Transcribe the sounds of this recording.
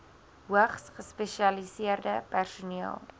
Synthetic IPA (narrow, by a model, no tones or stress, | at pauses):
ɦuəχsχəspeʃiɐlisiərdəpærsuniəlˠ